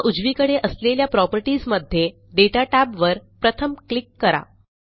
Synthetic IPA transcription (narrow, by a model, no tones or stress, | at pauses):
ʔud͡zʋikəɽeʔəsleljapɾɔpəɾʈiːzməd̪ʱːje | ɖeʈaʈæbʋəɾpɾət̪ʰəmklikːəɾa̰